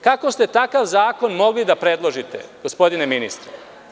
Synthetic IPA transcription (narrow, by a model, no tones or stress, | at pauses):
kako̞st̪e̞t̪akaʋzaːko̞nmo̞ɡlid̪apɾed̪lˠo̞ʒit̪ḛɡ̥o̞spo̞d̪ineminist̪ɾe